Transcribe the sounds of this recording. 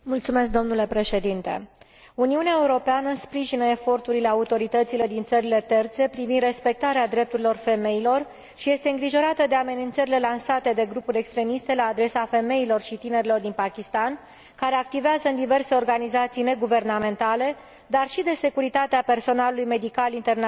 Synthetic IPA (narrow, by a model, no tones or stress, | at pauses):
mult̪sume̞sk̚d̪omnule̞pɾe̞ʃe̞d̪int̪e̞̰ | uniuneaeuɾo̞peanəspɾiʒinəe̞fo̞rt̪uɾile̞aut̪o̞ɾit̪ət̪sile̞d̪int̪səɾile̞t̪e̞rt̪se̞pɾivind̪re̞spe̞k̚t̪aɾead̪ɾe̞p̚t̪uɾilo̞rfe̞me̞ilo̞r | ʃije̞st̪e̞ɨŋɡɾiʒo̞ɾat̪əd̪e̞ame̞nint̪səɾile̞lansat̪e̞d̪e̞ɡɾupuɾʲe̞kst̪ɾe̞mist̪e̞laːd̪ɾe̞safe̞me̞ilo̞rʃit̪ine̞ɾilo̞rd̪inpakʲist̪an | kaɾe̞ak̚t̪iveazəɨnd̪ive̞rse̞o̞rɡanizat̪sijne̞ɡuve̞rname̞nt̪ale̞ | d̪arʃid̪e̞se̞kuɾit̪at̪eape̞rso̞nalulujme̞d̪ikalint̪e̞rn